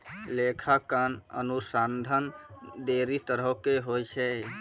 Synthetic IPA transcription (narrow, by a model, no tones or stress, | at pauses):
lekʰakanə̰nusand̪ʱənd̪eɾit̪əɾəkeɦojt͡ʃʰɛ